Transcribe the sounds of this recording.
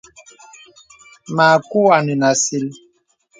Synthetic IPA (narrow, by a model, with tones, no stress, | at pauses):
ma˨ku˦a˨ni˨na˨si˦l